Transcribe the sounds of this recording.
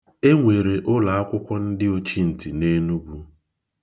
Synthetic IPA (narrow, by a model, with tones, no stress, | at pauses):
e˦ŋʷe˨ɾe˨ʔʊ˦la˨a˦kʷʊ˦kʷɔ˦n̩˦dɪ˦o˦t͡ʃi˦n̩˨ti˨ne˦nu˦ɡʷu˦